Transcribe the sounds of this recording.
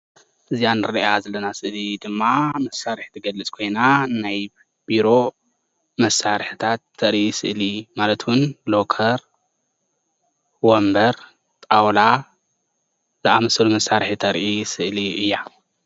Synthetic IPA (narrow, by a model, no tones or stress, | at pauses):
ʔɨzijanɨɾɐʔjazɐlɐnasɨʔlid̪ɨmːamɐsaɾħt̪ʰɨɡɐlɨt͡sʼkʰo̞jnanaj | biɾo̞ | mɐsːaɾħt̪ʰat̪ʰːɐɾʔisɨ̰ʔlimalɐt̪wʊnlo̞kʰɐɾ | wombɐɾ | t̪ʼawla | zɨʔamɐsɐlumɐsːaɾħit̪ʰɐɾʔisɨʔliʔɨjːa